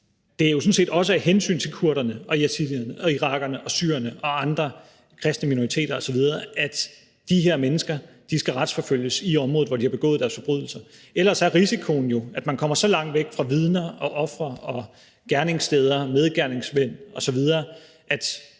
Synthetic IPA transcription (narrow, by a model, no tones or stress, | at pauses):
d̥e̝æɐjo̝s̬ɔ̽n̩se̝̰ːd̥ɒ̽s̬əæ̥ɦensy̰ːnt͡sʰe̝lkʰuɐɾɐnəɒ̽jæsʰilˠiɐnəʔɒ̽iʁɑ̈ɡ̥ɐnəʔɒ̽sy̰ːɐɐnəʔɒ̽ɑ̈nd̥ʁɐ | kʰʁɛsd̥nəmino̝ʁit͡sʰe̝̰ːd̥ɐɒ̽sɒ̽ʋið̞ˠɐæd̥ | d̥iɦeɐ̰menəsɡ̥ɐ | d̥isɡ̥æʁɑ̈d̥sfɒ̽føl̰jəsiɒ̽mʁɔð̩ˠʋɒd̥ihɑ̈b̥e̝ɡɔ̰̽ːð̩ˠd̥æɐsfɒ̽b̥ʁy̰ð̰ˠl̩sɐʔelɐsɒæɐʁisikʰo̝n̩jo̝æd̥mænkʰɒ̽m̰ɐsɒ̽lɑ̈ŋ̰d̥ʋeɡ̥fʁɑ̈ʋið̞ˠnɐɒ̽ʔɒ̽fʁɐɒ̽ | ɡ̥æɐne̝ŋsd̥eːð̞ˠɐmeð̞ˠɡ̥æɐne̝ŋsʋen̰ɒ̽sɒ̽ʋið̞ˠɐː | ʔæd̥